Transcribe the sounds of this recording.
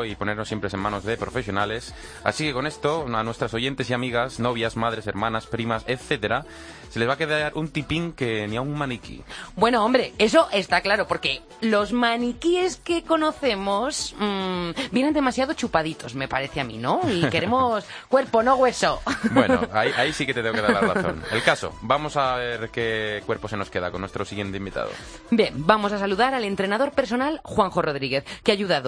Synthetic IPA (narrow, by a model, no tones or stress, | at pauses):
ipo̞ne̞ɾnosːjempɾe̞se̞mãno̞zðe̞pɾo̞fe̞sjo̞nale̞s | a̰sike̞ko̞ne̞st̪oanwe̞st̪ɾaso̞ʝe̞nt̪e̞siamiɣ̞asno̞β̞jasmað̞ɾe̞se̞̰ɾmãnaspɾimaseθe̞t̪e̞ɾa | se̞lezβake̞ðaɾʔunt̪ipiŋke̞niauŋmãnikḭbwe̞noõmbɾe̞eso̞ʔe̞st̪aklaɾopo̞ɾke̞ | lo̞zmãnikieske̞ko̞no̞θe̞mos | bjenand̪e̞masjaðo̞t͡ʃupaðit̪o̞zme̞paɾe̞θeamḭ̃no̞ike̞ɾe̞moskwe̞ɾpo̞no̞ɣ̞we̞sobeno̰aiaisiket̪eeokeðalarraθo̰nḛlkaso̰bamo̞saβeɾke̞kwe̞ɾpo̞seno̞ske̞ða̰konwest̪ɾosiɣje̞nt̪eimbit̪a̰ðo̰ | bje̞mbamo̞s̬asaluðaɾale̞nt̪ɾe̞naðo̞ɾpeɾso̞nalxwaŋxo̞ro̞ðɾiɣ̞e̞θkeaʝuðaðo